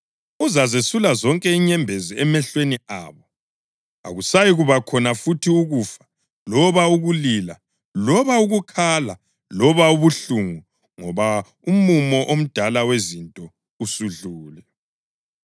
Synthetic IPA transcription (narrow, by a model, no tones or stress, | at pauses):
uzazesulazɔŋkʼɛiɲɛmbʱeziɛmɛɬweniaːβɔ | a̰ɣusajiɣuβakʰɔnafutʰiuɣufḁ | lɔβauɣulila | lɔβauɣukʰala | lɔβauβuɬuŋu | ŋɔβa | umumɔʔom̩d̥ʱalawezintʼɔ | usuɮuːlɛ